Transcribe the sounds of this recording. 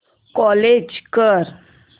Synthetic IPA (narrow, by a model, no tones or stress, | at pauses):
kɔled͡ʒkəɾ